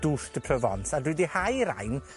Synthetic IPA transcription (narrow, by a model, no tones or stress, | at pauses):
d̥urdəpʰrəvɔ̰nsadwidihajɾa̰jn